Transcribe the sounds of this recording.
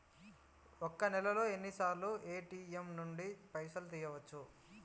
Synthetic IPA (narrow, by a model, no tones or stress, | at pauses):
okːɐnɛlɐlo̞ːe̞nːisaːɾluʔe̞ːʈiːemnuɳɖipɐjʃɐlut̪iːjɐʋɐt͡ʃːu